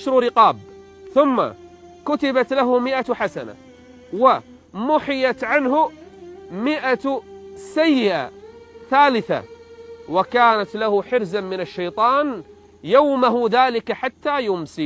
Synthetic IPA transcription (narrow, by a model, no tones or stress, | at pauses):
ʃɾɾɪqɑːb̚ | θʊmːa̰ | kʊt̪ɪbat̪laɦʊmɪʔaħasana̰ | wa | mʊħɪjat̪ʕanhʊ | mɪʔa | sajːɪʔa̰θaːlɪθa̰wakaːnat̪lahʊħɪɾzamɪnaʃːajt̪ˤɑːn | jawmaɦʊðaːlɪkaħat̪ːaːjʊmsi